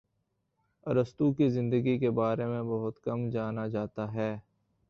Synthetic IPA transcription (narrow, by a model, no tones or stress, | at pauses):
ɐɾəst̪ukizɪ̃nd̪əɡikebaːɾemẽbɐɦʊt̪kɐmd͡ʒaːnad͡ʒaːt̪aɦɛː